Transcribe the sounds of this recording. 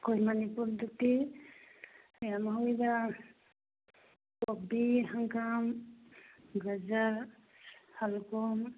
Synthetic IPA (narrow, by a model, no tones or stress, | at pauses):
kɔjmanipuɾd̪uk̚ti | jamaɦujba | kɔbihaŋkam | ɡazaɾ | halkɔm